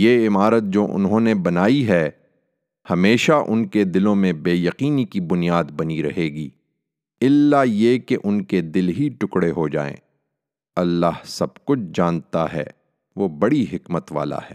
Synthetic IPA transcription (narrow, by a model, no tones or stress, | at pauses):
jeːɪmaːɾət̪̚d͡ʒoːʔʊ̰nɦõnebɐnaːiɦɛː | hɐmeːʃaʔʊnked̪ɪlõmẽbeːjɐqiːnikibʊnijaːd̪bɐniɾɐɦeːɡiː | ɪlːajekeʔʊnked̪ɪlɦiʈʊkɽeɦod͡ʒa̰ːḛ̃ː | ɐlːaːɦsɐb̚kʊt͡ʃʰd͡ʒãːnt̪a̰ɦɛ̰ː | ʋoːbɐɽiɦɪkmət̪ʋa̰ːla̰ɦɛ̰ː